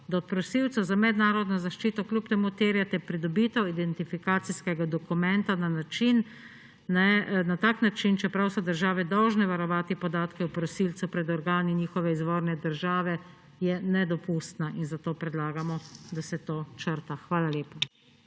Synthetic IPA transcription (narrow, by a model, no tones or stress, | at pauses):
d̪aɔt̪̚pɾɔsiwt̪sɔzamɛd̪naːɾɔd̪nɔzaʃt͡ʃiːt̪ɔklʲupt̪ɛmut̪eːɾjat̪ɛpɾid̪ɔbiːt̪ɛwid̪ɛnt̪ifikaːt̪siskɛɡad̪ɔkumɛnt̪ananat͡ʃinː | ɛnat̪aːknat͡ʃint͡ʃɛpɾawsɔd̪əɾʒaːʋɛd̪ɔwʒnɛʋaɾɔʋaːt̪ipɔd̪aːt̪kɛwpɾɔsilt̪supɾɛd̪ɔɾɡaːniniːxɔʋɛizʋoːɾnɛd̪əɾʒaːʋɛ | jɛnɛd̪ɔpuːst̪naʔinzat̪oːpɾɛd̪laːɡamɔd̪asɛt̪oːt͡ʃəɾt̪axʋaːlaleːpa